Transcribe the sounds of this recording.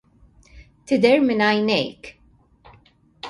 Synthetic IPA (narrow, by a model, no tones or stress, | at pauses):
t̪ɪd̪ɛɾmɪnɐjnɛ̰jk